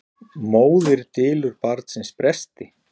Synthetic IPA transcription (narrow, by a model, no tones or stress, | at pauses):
moːwðɪɾ̥t̪ɪːlʏɾpaɾt̪sɪnspɾɛst̪ɪ